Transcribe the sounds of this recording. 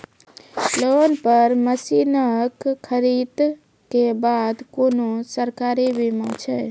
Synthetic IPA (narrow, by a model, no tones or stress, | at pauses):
loːnpəɾməsinəkkʰːəɾid̪ | kebad̪koːnosəɾkaːɾibimãt͡ʃʰɛ